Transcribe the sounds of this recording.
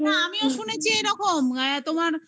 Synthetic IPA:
naamioʃunet͡ɕʰieɾɔkʰomɡajat̪omaɾ

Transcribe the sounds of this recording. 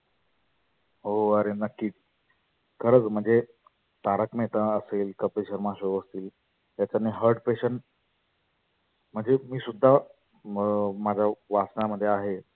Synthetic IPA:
ɦoəɾenəkːiːt̪̚ | kʰəɾət͡sm̤əɳd͡ze | t̪aɾəkmet̪ə̃əseːlkəpɾeɕəɾmaɕoəst̪iːl | jat͡ɕaniɦəɾɖpeɕən | m̤əɳd͡zemiːsud̪ʱːa | mad͡ʑʱaʋat͡snaməd̪ʱːjeaɦe

